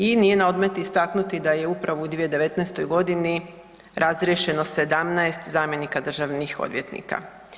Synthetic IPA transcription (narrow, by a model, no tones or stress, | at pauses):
inije̞nao̞d̪met̪iist̪aknut̪id̪aje̞upɾaʋoud̪ʋije̞d̪e̞ʋe̞t̪nɛjst̪o̞jɡo̞d̪ini | ɾʔazɾjeʃe̞no̞se̞d̪amnaest̪zaːmje̞nikad̪r̩ʒaʋnixo̞̰d̪ʋjet̪nḭka̰